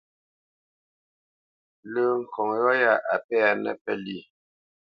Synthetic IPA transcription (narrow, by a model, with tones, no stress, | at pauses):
lə˨ŋ̩˨kʰɔ˨ŋjɔ˦ja˦˨ʔa˨pɛ˦a˨nɛ̰˦pɛ˦li˦˨